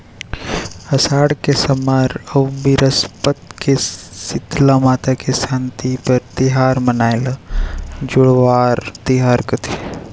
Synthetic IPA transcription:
ɐsaːɽkesɐmaːɾɐwbiɾəspət̪kesɪt̪lamaːt̪akesãːnt̪ipɐɾt̪iɦaːɾmɐnaːɪl | d͡ʒʊɽʋaːɾt̪iɦaːɾkɐt̪ʰi

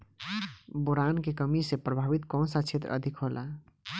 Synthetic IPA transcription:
boɾankekəmisepɾəbʱabit̪kɔ̃nsat͡ʃʰet̪ɾəə̰d̪ʱikɦolʔa̰

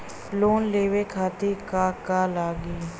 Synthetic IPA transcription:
loːnleːʋeːkʰaːt̪iːkaːkaːlaːɡiː

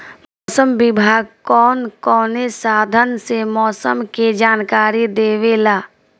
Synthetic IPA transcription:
mɔːsəmbɪbʱaːɡ̚kɔːnkɔːnesaːd̪ʱənsemɔːsəmked͡ʒaːnkaːɾid̪eːʋelaː

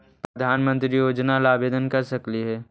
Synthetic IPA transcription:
pɾɐd̪ʱaːnmə̃nt̪ɾijoːd͡ʒnalaːbeːd̪ənkɐɾsɐkliɦɛː

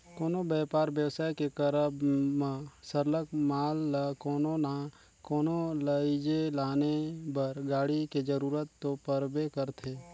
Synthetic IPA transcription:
koːnobɛːpaːɾbjəwsaːjkekəɾəbmãsəɾləkmaːlːakɔːnona | kɔːnoləid͡ʒelaːnebəɾɡaːɽiked͡ʒəɾuːɾət̪ːopəɾbekəɾt̪ʰeː

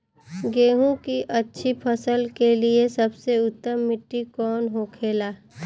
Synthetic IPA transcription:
ɡeːɦũkiʔɐtːʃʰipʰɐsəlkeliesɐbseʊt̪ːəmːɪʈːikɔːnɦoːkʰeːlaː

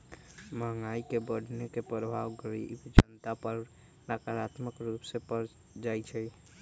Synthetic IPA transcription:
məŋaikebəɽ̤ʱnekepɾəbʱaʋɡəɾḭbd͡ʒənt̪apəɾ | nakəɾat̪məkɾupsepəɾ | d͡ʒajt͡ʃʰɛ

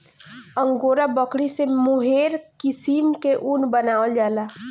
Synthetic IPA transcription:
ə̃ŋɡoːɾabəkɽisemʊɦeːɾkɪsimkeʔunbənaːwəld͡ʒaːlaː

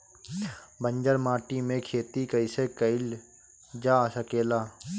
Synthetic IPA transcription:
bə̃ɲd͡ʒəɾmaːʈimẽkʰeːt̪ikəɪsekəɪl | d͡ʒaːsəkeːlaː

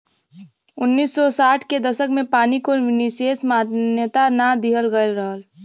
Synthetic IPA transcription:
ʊnːiːsːɔsaːʈʰked̪ɐsəkmẽpaːnikoʋɪniseːsmaːnjət̪anad̪iɦəlɡəlɾəɦəl

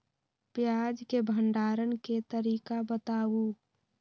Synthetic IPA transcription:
pjaːd͡ʒkebʱəɳɖaːɾənket̪əɾiːkabət̪aːu

